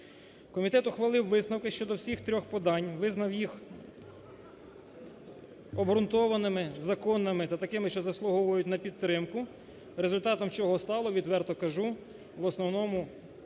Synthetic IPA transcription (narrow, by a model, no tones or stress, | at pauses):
kɔmʲit̪ɛt̪ʊxʋɐlˠɪwːɪznɐwkɪʃt͡ʃɔd̪ɔwsʲixt̪ɾʲɔxpɔd̪ɑnʲʋɪznɐwjix | ɔbɾʊnt̪ɔʋɐnɪmɪzɐkɔnːɐmɪt̪ɐt̪ɐkɪmɪʃt͡ʃɔzɐslˠʊɦɔʋɔjʊtʲnɐpʲid̪̚t̪ːɾɪmkʊ | ɾezʊlʲt̪ɑt̪ɔmt͡ʃɔɦɔst̪ɑlˠɔʋʲid̪ʋɛrt̪ɔkɐʒu | ʋɔsnɔwnɔmʊ